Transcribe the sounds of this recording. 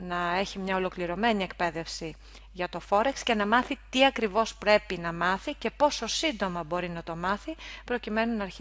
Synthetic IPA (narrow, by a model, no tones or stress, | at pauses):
nɐe̞çimɲɐo̞lo̞kliɾo̞me̞nie̞kpe̞ðe̞fsi | ʝɐt̪o̞fo̞ɾeksce̞nɐmɐθit̪iɐkɾivo̞spɾe̞pinɐmɐθice̞po̞so̞sind̪o̞mɐbo̞ɾinɐt̪o̞mɐθipɾo̞cime̞nunɐːɾç